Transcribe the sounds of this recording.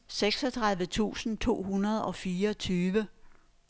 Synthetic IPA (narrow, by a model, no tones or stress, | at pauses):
seɡ̥sɒ̽t͡sʰʁäðˠʋət͡sʰṵːsn̩t͡sʰo̝̰ːɦunɐðˠɒ̽fiːɐt͡sʰyːʋə